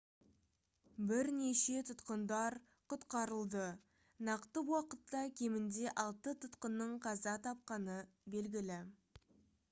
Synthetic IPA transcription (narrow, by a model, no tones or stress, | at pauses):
bɪɾne̞ʃe̞t̪ʰʊt̪qənd̪ɑɾ | qʰʊt̪qɑɾəlˠd̪ə | nɑqt̪əwɑqət̪ːɑkʲʰe̞mɪnd̪e̞ʔɑlˠt̪ət̪ʰʊt̪qənːəɴqʰɑzɑt̪ʰɑp̚qɑnə | be̞lɡʲɪlɪ